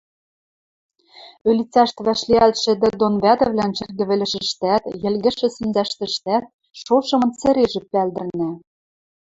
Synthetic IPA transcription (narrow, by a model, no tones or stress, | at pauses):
ølʲit͡sæʃt̪βæʃlʲiælt̪ʃɘ̆d̪ɘ̆d̪onβæd̪ɘ̆vlʲænt͡ɕɘ̆rɡɘ̆βɘ̆lʲɘ̆ʃɘ̆ʃt̪æt̪jɘ̆lɣɘ̆ʃɘ̆sinzæʃt̪ɘ̆ʃt̪æt̪̚ | ʃoʃɤ̆mɤ̆nt͡sɘ̆ɾeʒɘ̆pːæld̪ɘ̆rnæ